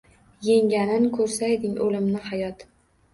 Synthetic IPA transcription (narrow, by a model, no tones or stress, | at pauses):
jeŋɡʲanɪnkʰɵɾsaed̪ɪŋɵlɪmnɪhajɒt̪